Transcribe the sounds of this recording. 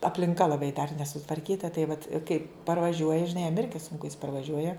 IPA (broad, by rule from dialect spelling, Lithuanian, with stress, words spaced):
ɐpʲlʲɪŋˈkɐ lˠɐˈbɐɪ dɐr nʲɛsʊtʋɐrʲˈkʲiːtɐ tɐɪ ʋɐt ˈkɐɪ pɐrʋɐˈʒʲuɔjɛ ʒʲɪˈnɐɪ jɛm ˈɪrʲɡʲɪ sʊŋˈkʊ jɪs pɐrʋɐˈʒʲuɔjɛ